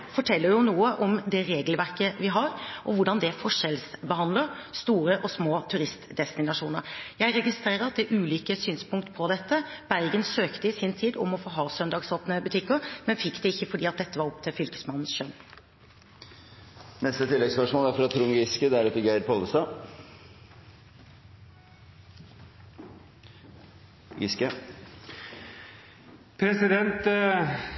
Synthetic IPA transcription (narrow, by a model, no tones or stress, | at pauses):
fɔʈʰɛlːəɾjʊnuːəʔɔmd̪ɛɾeːɡlʋæɾkəʋɪɦɑɾʔɔʋʊɖɑnd̪ɛfɔʂɛlsbəhɑnd̪ləɾst̪uːɾəʔɔsmoːt̪ʰʉɾɪst̪d̪ɛst̪ɪnɑʂuːnə̰ɾjæɪɾɛɡɪst̪ɾeːɾəɾɑt̪̚d̪ɛʔʉːliːkəsyːnspʰʊŋkt̪pʰɔd̪ɛt̪ːəb̥æɾɡənsøːkt̪əɪsɪnt̪ʰiːd̪ɔ̰mɔfoːɦɑːsœnd̪ɑːɡsoːpnəbʉt̪ʰɪkːəɾmɛnfɪkːd̪ɛɪçːəfɔɖiːɑt̪̚d̪ɛt̪ːəʋɑɾɔp̚t̪ʰɪlfʏlkə̥smɑnn̩sʃœn | nɛst̪ət̪ʰɪlːɛɡspœʂmoːlæɾfɾɑt̪ʰɾʊŋɡɪskəd̪ɛæɾɑt̪ːəɡæɪɾpɔːləst̪ɑː | ɡɪskə | pʰɾɛsɪd̪ɛnt̪